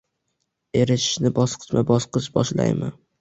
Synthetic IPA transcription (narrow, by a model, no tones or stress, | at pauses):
e̞ɾɪʃɪ̥ʃnɪbɒsqʰɨ̥t͡ʃ̪mabɒsqɨʃbɒʃla̰jmɪ̰